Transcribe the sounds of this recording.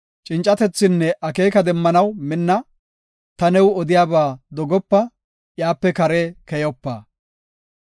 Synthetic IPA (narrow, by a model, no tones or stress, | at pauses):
t͡ʃʼɪnt͡ʃʼːɐt̪ɛt͡sːɪnːɛʔɐke̞ːkɐd̪ɛmːɐnɐwmɪnːɐ | t̪ɐnɛwɔd̪ɪjaːbaːd̪ɔɡɔpːɐ | jaːpːɛkɐɾeːkɛjɔpːaː